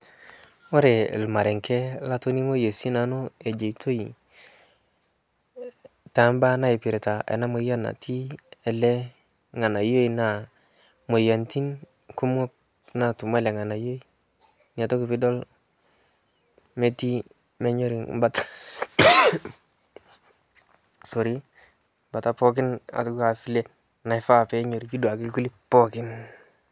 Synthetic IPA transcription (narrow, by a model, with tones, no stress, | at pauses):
wo˦ɾḛ˨lma˨ɾe˨ŋke˦la˦to˦ni˦ŋo˦je˨si˦na˨˦no˦e˨d͡ʒe˨i˨tʰo˦i˨ | ta˨˦mba˦na˦i˨pi˨ɾe˨ta˨ḛ˨na˦mo˨˦a˦na̰˨tʰi˦e˨le˦ | ŋa˨na˨jo˦i˨na˨ | mo˨ja˨nti˦n | ku˦m˦o˦k̚ | na˨tu˨m˦ɛ˦lɛ˨ŋa˨na˨jo˦i˦ | ni˨a˨tɔ˦ki˨pɪ˦dɔ˦l | me˦ti˦ | mɛ˦ɲɔ˦ɾi˨ŋ̰ba˦ta˦ | so˨ɾi˦ | ba˨ta˦pɔ˦k̬ɪ˦na̰˨tu˦ku˦a˨fi˦le˦ | na˨ɪ˨fa˦˨pɛ˦ɲo˨ɾi˨t͡ʃu˦do˨a˨ki˦ku˦li˦pɔ˦kɪ˦n